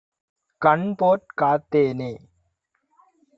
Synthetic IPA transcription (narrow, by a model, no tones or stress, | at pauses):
kɐɳpoːʈ̚kaːt̪ːeːneː